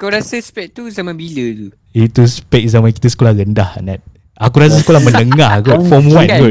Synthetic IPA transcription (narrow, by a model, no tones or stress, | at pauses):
kawɾasaspɛʔ̚t̪uzamãbilət̪u | it̪uspɛk̚zamãnkit̪əs̬ə̥kolahɾəndahnat̪̚ | akuɾas̬as̬ə̥kolahmə̃nəŋahɡɔfɔmwãnɡɔ